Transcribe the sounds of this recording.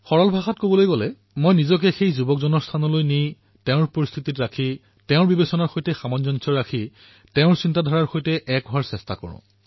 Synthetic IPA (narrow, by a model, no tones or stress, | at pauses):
xɔɹɔlbʱaxatkobɔlojɡɔlɛ | mojnizɔk̬ɛxejzubɔkzɔnɔɹstʰanɔlojnij | tɛʊ̃ɹpoɹist̪ʰititɹakʰi | tɛʊ̃ɹbibesɔnaɹxojtɛxamɔnzɔnsɔɹakʰi | tɛʊ̃ɹsintadʱɔɹaɹxojtɛʔɛk̚aɹsɛstakɔ̰ɹʊ̰̃